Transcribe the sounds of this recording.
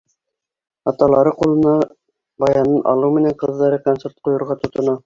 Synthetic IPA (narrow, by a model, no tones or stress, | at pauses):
ɑt̪ɑlˠɑɾɤqulˠɤ̆nɑ | bɑjɑnɤnʔɑ̰lˠɤwmɘ̆næɴqɤ̆ðːɑɾɤkonseɾt̪̚qujŏɾʁɑt̪ŏt̪ŏnɑ